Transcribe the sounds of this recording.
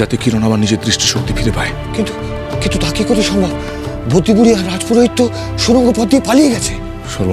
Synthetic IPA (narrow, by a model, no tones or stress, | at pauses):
at̪ekiɾonabaɾnid͡ʑed̪ɾiʃʈiʃok̚t̪ifʰiɾepae | kint̪u̥ | kint̪ut̪akikot̪eʃɔŋbʱɔb | bʱod̪ːibuɽiaɾad͡ʑpuɾoit̪ːo | ʃuɾoŋɡoɾpɔd̪d̪iepalijeɡɛt͡ɕʰe | ʃoɾ